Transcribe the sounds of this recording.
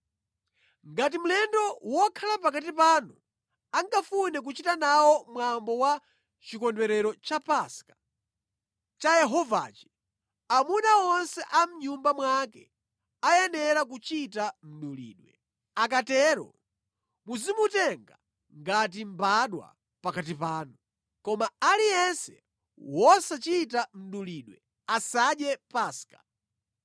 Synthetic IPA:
ŋɡat̬im̩lɛndɔwɔkʰalapakat̬ipanu | aŋkafunɛk̬ut͡ʃitanawɔmwambɔwa | t͡ʃikɔndwɛɾɛɾɔt͡ʃapaskḁ | t͡ʃajɛɦɔva̰ːt͡ʃi̥ | amunaɔnsɛʔam̩ɲumbamwakɛ | ajɛnɛɾakut͡ʃitam̩ɗulḭːɗwɛ | ak̬atɛɾɔ̰ | muzimutɛŋɡa | ŋɡat̬im̩baɗwa̰ | pakat̬ipaːnu | kɔmaːlijɛnsɛ | wɔsat͡ʃit̬am̩ɗuliɗwɛ | asaɗjɛpaskḁ

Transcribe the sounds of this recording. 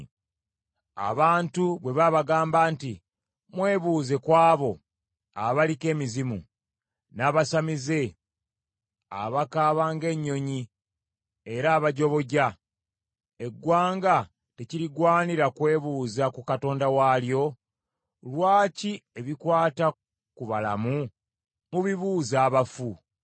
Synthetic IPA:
a̰βaːntuβwe̞βaβaɡaːmbaːnti | mwe̞ːβuːze̞kwaːβo̞ | aβalike̞ːmizimṵ | naːβasamize̞ | a̰βakaːβaːŋɡe̞ɲːo̞ɲi | e̞ɾaːβaɟo̞βo̞ɟa | e̞ɡːwaːŋɡa | te̞ciɾiɡwaːniɾakwe̞ːβuːzakukato̞ːndawaljo̞ | lwaːcie̞βikwaːta | kuβalamu | muβiβuːzaːβafu

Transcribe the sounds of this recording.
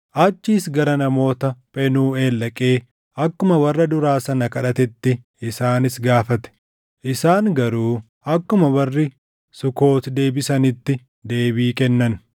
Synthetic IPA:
ʔɐt͡ʃːiːsɡɐɾɐnɐmo̞ːt̪ɐpʼɛnuːe̞ːlːɐkʼe̞ː | ɐkːʊmɐwɐrːɐd̪ʊɾaːsɐnɐkɐᶑɐt̪ɛt̪ːɪ | ɪsaːnɪsɡaːfɐt̪ɛ̥ | ʔɪsaːŋɡɐɾuː | ɐkːʊmɐwɐrːɪ | sʊko̞ːt̪d̪e̞ːbɪsɐnɪt̪ːɪ | d̪e̞ːbiːkɛnːɐn

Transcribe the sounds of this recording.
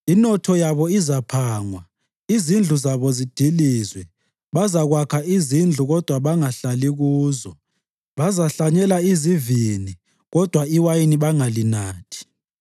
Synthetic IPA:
inɔtʰɔjaβɔizapʰaːŋwa | izind͡ɮʱuzaβɔzid̥ʱilizwɛ | βazaɣwakʰaʔizind͡ɮʱuɣɔd̥ʱwaβaŋaɬaliɣuːzɔ | βazaɬaɲɛlaizivini | ɣɔd̥ʱwaiwajiniβaŋalinaːtʰi̥

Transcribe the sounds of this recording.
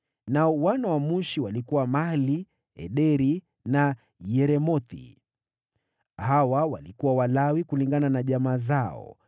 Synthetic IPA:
naɔwanawamuʃiwalikuwamali | ɛ̰ɗɛɾi | na | jɛɾɛmɔt̪ḭ | hawawalikuwawalawikuliŋɡananaʄamaːzaɔ̰

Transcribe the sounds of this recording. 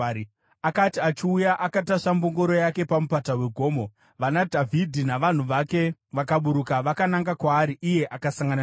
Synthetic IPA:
akatiat͡ʃiujaʔakataʂambo̞ŋɡo̞ɾo̞jake̞pamupatawe̞ɡʱo̞ːmo̞ | ʋanadʱavʱidʱinaʋan̤uʋake̞ʋakaɓuɾukaʋakanaŋɡakwaːɾiʔije̞ʔakasaŋɡana

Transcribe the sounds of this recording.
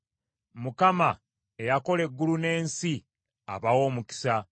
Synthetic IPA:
mukama | ejako̞le̞ɡːulune̞ːnsi | a̰βawo̞ːmuki̥sa

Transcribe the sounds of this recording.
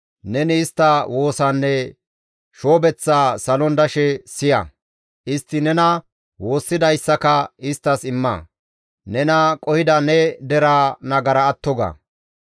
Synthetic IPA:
nɛnɪːst̪ːɐwo̞ːsɐnːɛ | ʃo̞ːbɛt͡sːaːsɐlɔnd̪ɐʃɛsɪjɐ̰ | ʔɪst̪ːɪnɛnɐ | wo̞ːsːɪd̪ɐjsːɐkɐɪst̪ːɐsɪmːɐ̰ | nɛnɐkʼɔhɪd̪ɐnɛd̪ɛɾaːnɐɡɐɾɐːt̪ːɔɡɐ̰ː

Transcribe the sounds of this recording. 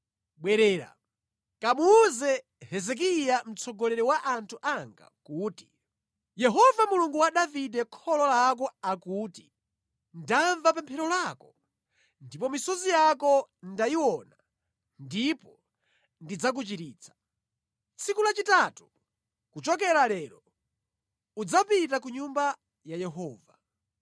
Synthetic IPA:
ɓwɛɾɛːɾa̰ | kamuːzɛ | hɛzɛk̬ijam̩t͡sʰɔɡɔlɛɾɛwaʔantʰuʔaŋɡa̰kuːti | jɛɦɔvamuluŋɡuwaɗaviɗɛkʰɔlɔlak̬ɔakuːti | ndaɱvapɛmpʰɛɾɔlaːkɔ̥ | ndipɔmisɔzijakɔndajiwɔna | ndipɔ | ndid͡zak̬ut͡ʃitiːt͡sʰḁ | t͡sikulat͡ʃitatu̥ | kut͡ʃɔkɛɾalɛːɾɔ | ud͡zapitakuɲumba | jajɛɦɔːva

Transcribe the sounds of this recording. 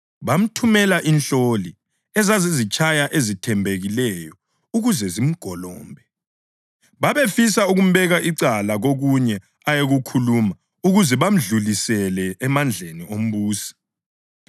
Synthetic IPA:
βam̩tʰumɛlaʔinɬoli | ɛzazizit͡ʃʼʰajaʔezitʰɛmbʱeɣilɛjɔ | uɣuzɛzim̩ɡ̥ʱɔlɔːmbʱɛ | βaβefisauɣum̩βɛɣaʔiǀalaɣoɣuɲɛ | ajeɣukʰuluma | uɣuzɛβam̩ɮulisɛlɛɛmand͡ɮʱeniom̩βuːsḁ

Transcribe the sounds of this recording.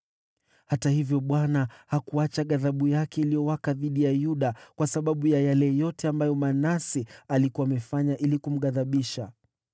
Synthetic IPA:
hatahivjɔɓwanahakuat͡ʃaɠaðaɓujakɛilijɔwakaðiɗijajuɗakwasaɓaɓujajalɛjɔtɛambajɔmanasialikuwaːmɛfaɲaʔilikum̩ɠaðaɓiʃa

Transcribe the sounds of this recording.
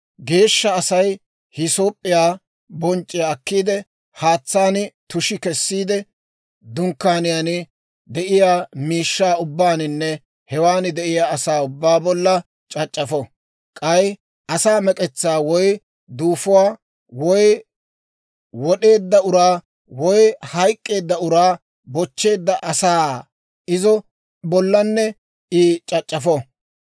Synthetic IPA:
ɡe̞ːʃːɐːsɐj | hɪso̞ːpʼːɪjaː | bɔnt͡ʃʼːɪjaːkːiːd̪ɛ | haːt͡sːaːnɪt̪ʊʃɪkɛsːiːd̪ɛ | d̪ʊŋkːaːnɪjaːnɪ | d̪ɛʔɪjaːmiːʃːaːʊbːaːnɪnːɛ | hɛwaːnɪd̪ɛʔɪjaːsaːʊbːaːbɔlːɐ | t͡ʃʼɐt͡ʃʼːɐfɔ | kʼɐj | ʔɐsaːmɛkʼɛt͡sːaːwɔj | d̪uːfʊwaː | wɔj | wɔɗe̞ːd̪ːɐʊɾaː | wɔjhɐjkʼːe̞ːd̪ːɐʊɾaː | bɔt͡ʃːe̞ːd̪ːɐʔɐsaː | ɪzɔ | bɔlːɐnːɛ | ɪt͡ʃʼɐt͡ʃʼːɐfɔ

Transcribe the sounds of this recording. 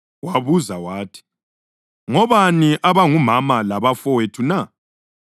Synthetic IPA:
waβuzawaːtʰi̥ | ŋɔβaniʔaβaŋumamalaβafɔwetʰuna

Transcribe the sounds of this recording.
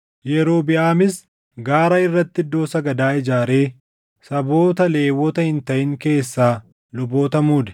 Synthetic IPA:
jɛɾo̞ːbɪʔaːmɪs | ɡaːɾɐɪrːɐt̪ːɪd̪o̞ːsɐɡɐd̪aːɪd͡ʒaːɾe̞ː | sɐbo̞ːt̪ɐle̞ːwːɔt̪ɐhɪnt̪ɐʔɪŋke̞ːsːaː | lʊbo̞ːt̪ɐmuːd̪ɛ̥

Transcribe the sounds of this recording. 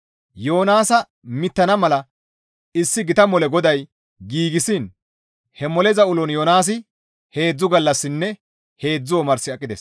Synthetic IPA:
jo̞ːnaːsɐ | mɪt̪ːɐnɐmɐlɐ | ɪsːɪɡɪt̪ɐmɔlɛɡɔd̪ɐj | ɡiːɡɪsɪn | hɛmɔlɛzɐʊlɔnjoːnaːs̬ɪ | he̞ːd͡zːʊɡɐlːɐsːɪnːɛ | he̞ːd͡zːʊwɔmɐɾsɪɐkʼːɪd̪ḛs

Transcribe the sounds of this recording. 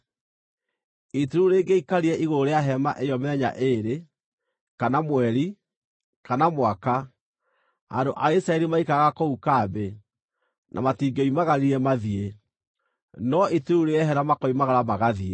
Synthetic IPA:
iteɾuɾeːɡeikaɾiɛʔiɣooɾeaɦɛma̰ʔejɔmɛɲa̰ʔeɾe | kanamwɛɾi | kanamwaka | andoʔaeisaɛɾimaikaɣakoukaːbe | nʔa̰matiːɡeimaɣaɾiɾɛmaðie | nɔituɾuɾeɛɦɛɾamakɔimaɣaɾamaɣaðie

